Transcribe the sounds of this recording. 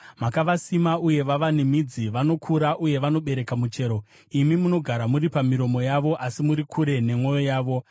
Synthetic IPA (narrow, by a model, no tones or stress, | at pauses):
makaʋasimauje̞ʋaʋanimid͡ziʋano̞kʰuɾaʔuje̞ʋano̞ɓe̞ɾe̞kamut͡ʃe̞ːɾo̞ | imimuno̞ɡʱaɾamuɾipamiɾo̞mo̞jaʋo̞ʔasimuɾikʰuɾe̞ne̞mwo̞jojaːʋo̞